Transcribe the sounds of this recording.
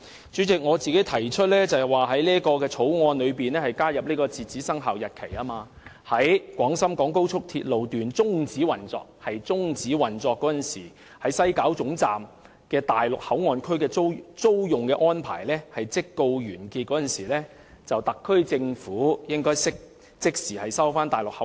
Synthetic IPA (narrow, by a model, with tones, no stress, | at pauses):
t͡ʃyː˨˥t͡sɪ˨k̚ŋɔː˨˧t͡siː˨ke˨˥t̪ʰɐ˨˩jt͡ʃʰɵ˥t̚lɛː˥t͡sɐ˨ɛ˨˩waː˨ɦɐ˨˥jliː˥kɔː˧kɛː˧t͡sʰo˨˥wŋɔː˧nlɵ˨˧ɥpiː˨nlɛː˥hɐ˨jkaː˥jɐ˨p̚liː˥kɔː˧t͡siː˨˩t͡siː˨˥sɐ˥ŋɦaː˨wjɐ˨t̚kʰe˨˩jaː˥maː˧ | hɐ˨˥jkʷɔː˨˥ŋsɐ˥mkɔː˨˥ŋko˥wt͡ʃʰʊ˥k̚t̪ʰḭː˧t̚lo˨wt̪yː˨nt͡sʊ˥ŋt͡siː˨˥wɐ˨˩nt͡sɔ̰ː˨k̚hɐ˨jt͡sʊ˥ŋt͡siː˨˥wɐ˨˩nt͡sɔː˧kːɔː˨˥jɐ˨nsiː˨˩ | hɐ˨˥jsɐ˥jkaː˨˥wt͡sʊ˨˥ŋt͡saː˨˩m | kɛː˧t̪aː˨˩jlʊ˨k̚hɐ˨˥wŋɔː˧nkʰɵ˥ɥkɛː˧t͡so˥wt͡so˥wjʊ˨ŋkɛː˧ʔɔː˥npʰa̰ː˨˩jlɛː˥hɐ˨jt͡sɪ˥kːo˧wɥyː˨˩nkiː˧t̚kɔː˨˥nɐ˨nsiː˨˩lɛː˥ | t͡sɐ˨wt̪ɐ˨kʰːɵ˥ɥt͡sɪ˧ŋfuː˨˥jɪ˥ŋkɔː˥jsɪ˥k̚ | t͡sɪ˥k̚siː˨˩hɐ˨jsɐ˥wfaː˥nt̪aː˨jlʊ˨k̚hɐ˨˥